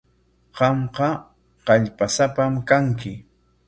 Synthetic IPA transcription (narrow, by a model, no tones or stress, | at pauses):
qɑmqɑ | qɑʎpasapamkaŋkɪ